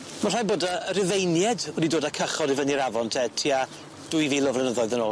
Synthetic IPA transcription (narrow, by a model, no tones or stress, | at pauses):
mar̥ajboːdaəɾɪðejnjɛdwədidoːdakʰəχɔɾivəniɾavɔntʰɛtʰiːa | d̥ujviːlɔvlɛnəðɔɨðənoː